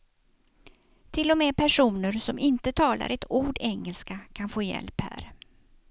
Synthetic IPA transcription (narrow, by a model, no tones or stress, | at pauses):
t̪ʰɪlːɔmeːpʰæʂuːnəɾsɔmʔɪnt̪ət̪ʰɑːla̰ɾʔɛt̪ʰuːɖɛŋːəlskakʰanfoːjɛ̰lphæ̰ːɾ